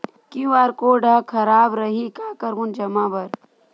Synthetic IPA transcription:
kĩʋaːɾkoːɖəkʰɐɾaːbɾɐɦikaːkəɾmund͡ʒɐmaːbɐɾ

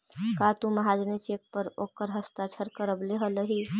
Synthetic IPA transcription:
kat̪ũməɦad͡ʒnet͡ʃek̚pəɾokəɾɦəst̪at͡ʃʰəɾkəɾəbleɦələɦi

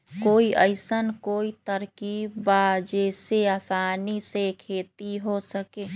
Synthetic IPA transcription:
koːiʔəɪsənkoːit̪əɾkibbad͡ʒeseəsaːnisekʰeːt̪iɦosəkeː

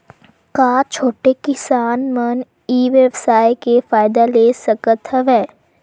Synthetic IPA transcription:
kaːt͡ʃʰoːʈekɪsaːnmən | iːʋeʋsaːjkefaːɪd̪aleːsəkət̪ɦəʋɛː

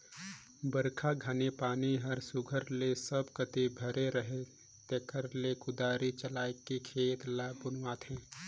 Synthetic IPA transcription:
bəɾkʰaɡʱanepaːniɦɐɾsʊɡʱəɾlesəbkət̪ebʱəɾeɾəɦe | t̪eːkəɾlekʊd̪aːɾit͡ʃəlaːekikʰeːt̪labʊnwaːt̪ɦɛ̃ː

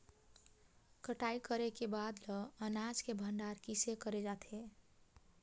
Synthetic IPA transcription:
kəʈaikəɾekebad̪lɔənad͡ʒkebʱəɳɖaɾkisekəɾed͡ʒat̪ʰe

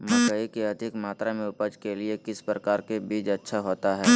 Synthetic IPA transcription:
mɐɡəikeɐd̪ʱɪkmaːt̪ɾamẽʊpəd͡ʒkeliekɪspɾəkaːɾkebiːd͡ʒɐtːʃʰaɦoːt̪aɦɛː

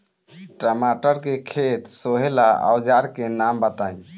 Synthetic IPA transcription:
ʈɾəmaʈəɾkekʰet̪soɦelaa̰wd͡ʒaɾkenambət̪aĩ

